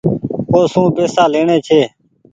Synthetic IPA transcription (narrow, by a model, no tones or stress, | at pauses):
koːsũːpeːsaːleːɳẽːt͡ʃʰeː